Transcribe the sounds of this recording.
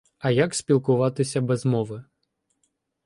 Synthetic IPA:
ɐjaksʲpʲilˠkʊʋat̪ɨsʲɐbɛzmɔvɨ

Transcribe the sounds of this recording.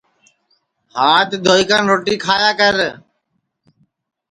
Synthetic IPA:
haːt̪d̪ʱoːiːkaːnɾoːʈiːkʰaːjaːkəɾ

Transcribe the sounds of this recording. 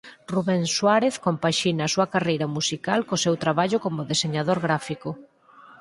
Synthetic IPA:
ruβeŋswaɾeθkompaʃinːsuɐkarejɾɐmusikalkosewt̪ɾaβaʎʊkomʊðeseɲaðoɾɣɾafiko

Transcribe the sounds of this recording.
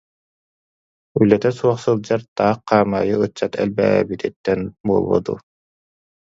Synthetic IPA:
ylːɛt̪ɛsuɔχsɯlˠd͡ʑaɾt̪aːqːaːma̰ːjɯɯt͡ɕːat̪ɛ̰lbɛɛ̰ːbit̪it̪ːɛnbuɔlˠbɔ̰d̪ṵ

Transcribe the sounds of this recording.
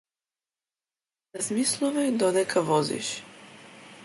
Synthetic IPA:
nazmislˠuvɛd̪ɔnɛkʰavɔzḭʃ

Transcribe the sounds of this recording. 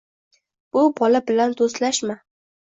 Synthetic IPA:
b̥ʊbɒlabɪland̪ost̪laʃma

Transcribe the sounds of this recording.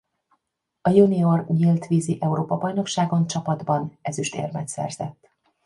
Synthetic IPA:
ɒjunio̞rɲilt̪ʋiːziʔɛuɾoːpɒbɒjno̞kʃaːɡo̞nt͡ʃɒpɒd̪bɒnɛzyʃt̪ḛːrmɛt̪sɛ̰rz̥ɛ̰t̪ː

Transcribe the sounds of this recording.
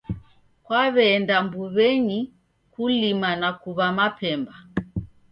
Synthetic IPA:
kwaβɛːndambuβɛɲi | kulimanakuβamapʰɛmba

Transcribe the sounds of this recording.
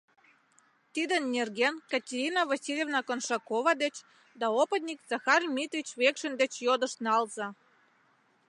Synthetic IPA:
t̪id̪ə̆nːerɡenkɑtʲeɾʲinɑvasʲilʲevnɑkonʃɑkovɑd̪ɘ̆t͡ɕ | d̪ɑopə̆t̪̚nʲikzɑxɑrmʲit̪rʲit͡ɕβekʃə̆nd̪ɘ̆t͡ɕjod̪ɤ̆ʃnɑlzɑ

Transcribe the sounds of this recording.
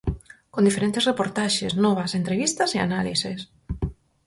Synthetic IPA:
kond̪ifeɾent̪ɪsrepoɾt̪aʃesnɔβɐsent̪ɾeβ̞ist̪ɐsea̰nalises

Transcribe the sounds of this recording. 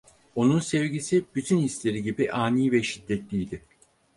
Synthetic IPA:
o̞nunsɛvɟisib̥yt̪ʰynhislʲe̞ɾiɟibiʔaːnijvɛʃid̪ːɛt̪lʲijd̪ɪ

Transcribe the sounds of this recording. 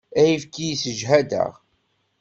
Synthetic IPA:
æjifkːijsəʒɦæd̪ə̰ʁ

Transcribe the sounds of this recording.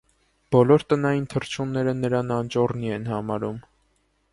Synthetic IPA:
b̥ɔlɔɾt̪ənɑjint̪ʰəɾt͡ʃʰumnːɛɾənəɾɑnɑnt͡ʃɔrniɛnhɑmɑɾum

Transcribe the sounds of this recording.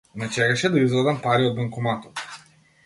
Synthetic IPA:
nat͡ʃɛɡaʃɛd̪aizvɾad̪ɐmpaɾiɔd̪maŋkumat̪ɔt̪

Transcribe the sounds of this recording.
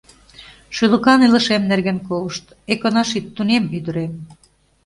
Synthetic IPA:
ʃylə̆kɑnilə̆ʃemnerɣenkoləʃt̪ | ekonɑʃit̪ːunemyd̪ə̆ɾem

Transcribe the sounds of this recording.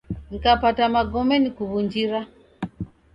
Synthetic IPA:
ŋikapatamaɡɔmɛnikuβund͡ʒiɾa

